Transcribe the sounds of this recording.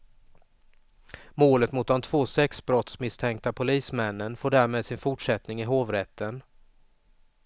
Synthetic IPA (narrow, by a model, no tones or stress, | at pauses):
moːlət̪mʊt̪̚d̪ɔmt̪ʰvoːsɛksbɾɔt̪smɪst̪ʰɛŋk̚t̪apʰʊliːsmɛnːənfoːɖæːɾmeːd̪sɪnfʊʈʂɛt̪nɪŋɪɦoːvɾɛt̪ːən